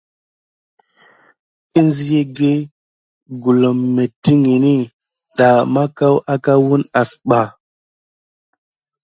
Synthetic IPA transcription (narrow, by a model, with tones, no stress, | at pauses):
i˦nzi˦je˦ɡe˦ | ɡu˨lo˨mːe˨ti˦ŋi˨ni˦ | ɗa˨ma˦ka˦wa˦ka˦wu˦na˨sɓa˨